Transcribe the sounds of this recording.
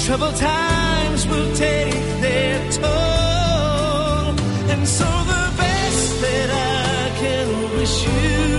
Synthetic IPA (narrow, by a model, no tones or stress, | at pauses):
tʰɹ̥ʌbl̩ˠtʰa | ɪɪ̃mzwɪlˠtʰeɪk̚ðə | tʰɔ | ɨ̃nsoʊðəbɛ | s | ðɨɾa | kʰɨ̃nɔwiz | ʉ